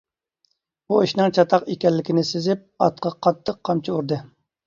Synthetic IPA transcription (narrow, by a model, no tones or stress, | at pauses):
buiʃnɨŋt͡ʃʰɑt̪ʰɑqekʲɛlːɪkʲɪnɪsɪzɪp̚ɑ̰t̪qʰɑqʰɑt̪ʰːəqʰːɑmt͡ʃʰiuɾd̪ɨ